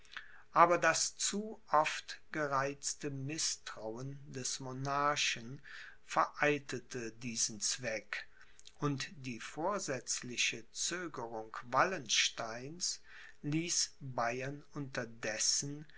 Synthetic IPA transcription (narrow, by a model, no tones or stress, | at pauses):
ʔaːbɐdast͡suʔɔftɡ̥əʁaɪt͡stəmɪstʁ̥aʊəndɛsmonaɐʃən | fɛɐʔaɪltətədiːzn̩t͡sv̥ɛk | ʔʊntd̥iːfoːɐzɛt͡slɪçət͡søːɡəʁʊŋkvalənʃtaɪns | liːsbaɪɐnʔʊntɐdɛsn̩